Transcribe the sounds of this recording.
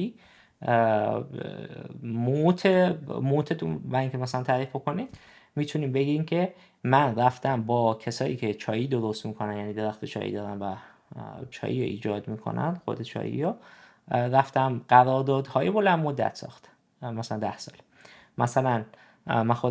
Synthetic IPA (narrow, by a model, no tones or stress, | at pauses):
i | mot̪ʰemoːt̪ʰet̪ubæiŋkʲʰemæsælænt̪ʰæːɾiːfbo̞kʰo̞nid̪̥ | miːt̪ʰuniːmbe̞ɡimcʰe̞ | mænræft̪æmbɒːcʰesɒːjiːcʰe̞t͡ʃʰɒːjiːd̪o̞ɾost̪miːkʰonænjæːniːd̪e̞ɾæxt̪ʰet͡ʃʰɒ̰ːjḭd̪ɒːɾæmvæ | t͡ʃʰɒ̰ːjiɾo̰ʔḭːd͡ʒɒːd̪miːkʰo̞̰næ̰nd̪̥xo̰d̪et͡ʃʰɒ̰ːjḭɾo | ræft̪æmɢæɾɒːɾd̪ɒːd̪hɒːjebolænd̪mod̪ːæ̰t̪ʰsɒ̰ːxt̪ | mæsælænd̪æhsɒ̰ːl | mæsælæn | mænxo